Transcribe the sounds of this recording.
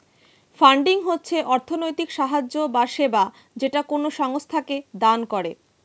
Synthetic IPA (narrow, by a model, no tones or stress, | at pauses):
faɳɖiŋɦotːɕʰeʔɔɾt̪ʰonojt̪ikʃaɦad͡ʑːobaʃeba | d͡ʑeʈakonoʃɔŋst̪ʰaked̪ankoɾe